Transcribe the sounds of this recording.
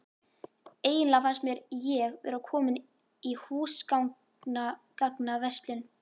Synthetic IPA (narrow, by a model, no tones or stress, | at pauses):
eːjɪnlafanst̪mjɛɾjɛɣvɛ̰ɾakʰɔːmɪn | ihuːskawŋ | nakaknavɛst̪lʏn